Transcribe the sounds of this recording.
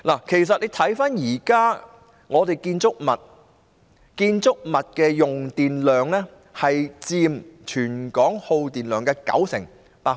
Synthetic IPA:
laː˨˩kʰe˨˩js̬ɐ˨t̚le˨˧jt̪ʰɐ˨˥jfaː˥njiː˨˩kaː˥ | ŋɔː˨˧t̪e˨jkiː˧nt͡sʊ˥k̚mɐ˨t̚ | kiː˧nt͡sʊ˥k̚mɐ˨t̚kɛː˧jʊ˨˩ŋt̪iː˨nlœː˨ŋlɛː˥ | hɐ˨jt͡siː˧mt͡ʃʰyː˨˩nkɔː˨˥ŋho˧wt̪iː˨nlœː˨˩ŋkɛː˧kɐ̰˨˥wsɪ̰˨˩ŋ | paː˧

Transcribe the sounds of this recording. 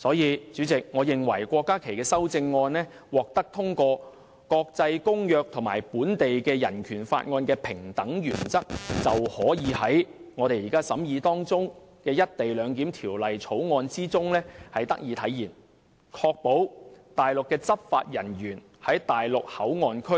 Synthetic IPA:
sɔː˨˥jiː˨˧t͡syː˨˥t͡sɪ˨k̚ŋɔː˨˧jɪ˨ŋwɐ̰˨˩jkʷɔː˧kːaː˥kʰe˨˩jkɛː˧sɐ˥wt͡sɪ˧ŋːɔː˧nɛː˥wɔː˨k̚t̪ɐ˥k̚t̪ʰʊ˥ŋkɔː˧ | kɔː˧k̚t͡sɐ˧jkʊ˥ŋjœː˧k̚t̪ʰʊ˨˩ŋmaː˨˩jpuː˨˥nt̪e˨jkɛː˧jɐ̰˨˩nkʰyː˨˩nfa̰ː˧t̚ŋɔː˧nkɛː˧pʰɪ˨˩ŋt̪ɐ˨˥ŋjyː˨˩nt͡sɐ˥k̚t͡sɐ˨whɔː˨˥jiː˨˧hɐ˨˥jŋɔː˨˧ɾe˨jiː˨˩kaː˥sɐ˨˥mjiː˨˧t̪ɔː˥ŋt͡sʊ˥ŋkɛː˧jɐ˥t̚t̪e˨jlœː˨˧ŋk̬iː˨˥mt̪ʰiː˨˩wlɐ˨jt͡sʰo˨˥wŋɔː˧nt͡siː˥t͡sʊ˥ŋlɛː˥hɐ˨jt̪ɐ̰˥k̚jiː˨˧t̪ʰɐ˨˥jiː˨˩n | kʰɔː˧k̚po˨˥wt̪aː˨˩jlʊ˨kːɛː˧t͡sɐ˥p̚fa̰ː˧t̚jɐ˨˩njyː˨˩n | hɐ˨˥jt̪aː˨jlʊ˨k̚hɐ˨˥wŋɔː˧nkʰɵ˥

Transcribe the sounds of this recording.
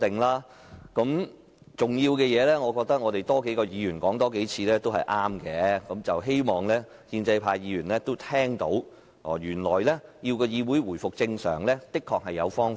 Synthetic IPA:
t̪ɪ˨ŋlaː˥ | kɐ˨˧˥m | t͡sʊ˨ŋjiː˧wkɛː˧jɛː˨˧lɛː˥ŋɔː˨˧kɔː˧k̚t̪ɐ˥k̚ŋɔː˨˧t̪e˨jt̪ɔː˥ke˨˥jkɔː˧jiː˨˧jyː˨˩nkɔː˨˥ŋt̪ɔː˥ke˨˥jt͡sʰiː˧lɛː˥t̪o˥whɐ̰˨jʔaː˥mkɛː˨˧kɐ˨˥mt͡sɐ˨wɦe˥jmɔː˨˩ŋlɛː˥ | hiː˧nt͡sɐ˧jpʰaː˧jjiː˨˧jyː˨˩nlɛː˥t̪o˥wt̪ʰɛː˥ŋt̪o˨˥w | ɔː˨˩jyː˨˩nlɔː˨˩jlɛː˥jiː˧wkɔː˧jiː˨˧wu˨˥jwuː˨˩jfʊ˨k̚t͡sɪ˧ŋsœ̰ː˨˩ŋlɛː˥t̪ɪ˥kʰːɔː˨k̚hɐ˨jːɐ˨˧wfɔː˥ŋ

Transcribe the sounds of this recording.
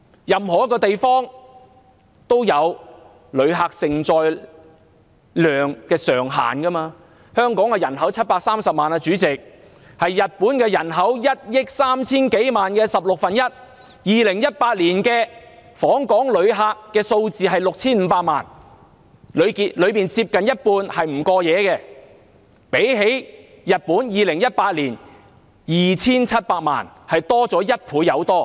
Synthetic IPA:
jɐ˨mhɦɔː˨˩jɐ˥kːɔː˧t̪e˨jfɔː˥ŋ | t̪o˥wjɐ˨˧w | lɵ˨˧ɥɦaː˧k̚sɪ˨ŋt͡sɔː˨j | lœː˨ŋkɛː˧sœː˨˩ŋɦa̰ː˨˩nkɐ˥maː˧ | hœː˥ŋkɔː˨˥ŋkɛː˧jɐ˨˩nɦɐ˨˥wt͡sʰɐ˥t̚paː˧k̚saː˥msɐ˨p̚maː˨na˧t͡ʃyː˨˥t͡sɪ˨k̚ | hɐ˨jːɐ˨t̚puː˨˥nkɛː˧jɐ˨˩nɦɐ˨˥wjɐ˥t̚jɪ˥k̚saː˥mt͡sʰiː˥nke˨˥jmaː˨nkɛː˧sɐ˨p̚lʊ˨k̚fɐ˨njɐ˥t̚ | jiː˨lɪ˨˩ŋjɐ˥t̚paː˧t̚liː˨˩nkɛː˧fɔː˨˥ŋkɔː˨˥ŋlɵ˨˧ɥɦaː˧kːɛː˧so˧wt͡siː˨ɦɐ˨jlʊ˨k̚t͡sʰiː˥nm̩˨˧paː˧k̚maː˨˩n | lɵ˨˧ɥki˨lɵ˨˧ɥpiː˨nt͡siː˧p̚kɐ˨njɐ˥t̚puː˧nhɐ˨jm̩˨˩kɔː˧jɛː˨˧kɛː˧ | pe˨˥jɦe˨˥j | jɐ˨t̚puː˨˥njiː˨lɪ˨˩ŋjɐ˥t̚paː˧t̚liː˨˩n | jiː˨t͡sʰiː˥nt͡sʰɐ˥t̚paː˧k̚ma̰ː˨˩nhɐ˨jt̪ɔː˥t͡sɔː˨˥jɐ˥t̚pʰuː˨˥jɐ˨˧wt̪ɔː˥

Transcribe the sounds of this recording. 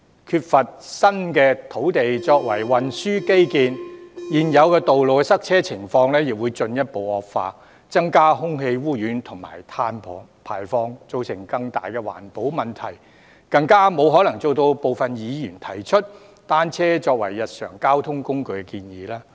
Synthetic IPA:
kʰyː˧t̚fɐ˨t̚sɐ˥nkɛː˧t̪ʰo˨˥wt̪e˨jt͡ʃɔː˧k̚wɐ˨˩jwɐ˨nsyː˥ke˥jkiː˨˧njiː˨njɐ˨˧wkɛː˧t̪o˨wlo˨wkɛ˧sɐ˥k̚t͡sʰɛː˥t͡sʰɪ˨˩ŋfɔː˧ŋlɛː˥jɪ˨k̚wuː˨˧jt͡sɵ˧njɐ˥t̚po˨˧wɔː˨˧k̚fa̰ː˧ | t͡sɐ˥ŋkaː˥ɦʊ˥ŋɦe˧jwuː˥jyː˨˥nt̪ʰʊ˨˩ŋma̰ː˨˩jt̪ʰaː˧npʰɔː˨˩ | pʰa̰ː˨˩jfɔː˧ŋt͡so˨˧wsɪ˨˩ŋkɐ˧ŋt̪a̰ː˨jkɛ˧wa̰ː˨˩npo˨˥wmɐ˨nt̪ʰɐ˨˩j | kɐ˧ŋkaː˥mo˨˧wɦɔː˨˥lɐ˨˩ŋt͡so˨˧wt̪o˧wpo˨wfɐ˨njiː˨˧jyː˨˩nt̪ʰɐ˨˩jt͡ʃʰɵ˥t̚ | t̪aː˥nt͡sʰɛː˥t͡sɔː˧k̚wɐ̰˨˩jːɐ˨t̚sœ̰ː˨˩ŋkaː˥wt̪ʰʊ˥ŋkʊ˥ŋkɵ˨˧ɥkɛ˧kiː˧njiː˨˧laː˥

